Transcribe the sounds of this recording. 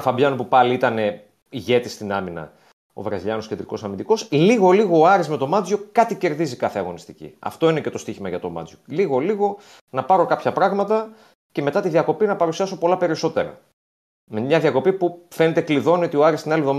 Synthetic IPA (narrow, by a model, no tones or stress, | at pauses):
fɐbʝɐnopupɐliit̪ɐne̞ | iʝe̞t̪ist̪inɐminɐ̰ | o̞̰vɾɐziʎɐnosced̪ɾiko̞sɐmind̪iko̞sliɣo̞liɣo̞ːɐɾisme̞t̪o̞mɐd͡zjo̞kɐt̪ice̞ɾðizikɐθeɐɣo̞nist̪icḭɐ̰ft̪o̞ine̞ce̞t̪o̞st̪içimɐʝɐt̪o̞̰mɐ̰d͡zjo̞liɣo̞liɣo̞ | nɐpɐɾo̞kɐpçɐpɾɐɣmɐt̪ɐ | ce̞me̞t̪ɐt̪iðiɐko̞pinɐpɐɾusiɐsopo̞lɐpe̞ɾiso̞t̪e̞ɾɐ̰ | memɲɐðiɐko̞pipufe̞ne̞t̪e̞kliðo̞nio̞t̪ioɐɾist̪inɐliðo̞m